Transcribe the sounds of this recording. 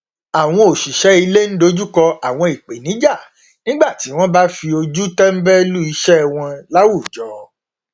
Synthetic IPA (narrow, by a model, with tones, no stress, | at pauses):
a˨w̃ɔ̃˧o˨ʃi˨ʃɛ˨˦i˧le˦n̩˦do˧d͡ʒu˦kɔ˧a˨w̃ɔ̃˧i˨k͡pe˨nĩ˨˦d͡ʒa˦˨ | nĩ˦ɡ͡ba˦˨ti˨˦w̃ɔ̃˦ba˦fi˧o˧d͡ʒu˦tɛ˦m̩˦bɛ˦lu˦i˧ʃɛ˦w̃ɔ̃˧la˦wu˦˨d͡ʒɔ˨˦